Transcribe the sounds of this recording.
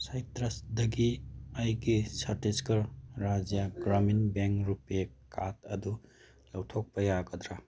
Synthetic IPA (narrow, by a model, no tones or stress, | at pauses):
sajtɾɐsdɐɡiajɡisɐɾteskɐɾːad͡ʒijaɡɾaminbeŋkɾupekat̚ɐdu | lɐwtʰok̚pɐjaɡɐd̪ɾa